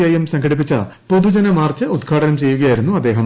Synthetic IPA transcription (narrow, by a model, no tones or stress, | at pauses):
ɐjɐmsɐŋɡɐɽip̬ːit͡ɕːɐ | po̞ðud͡ʑɐnɐmaːrt͡ɕːɨud̪ɡʰʱaːɽɐnɐmt͡ɕe̞jːuɣɐjaːjiɾunːuɐd̪ːe̞ːɦɐm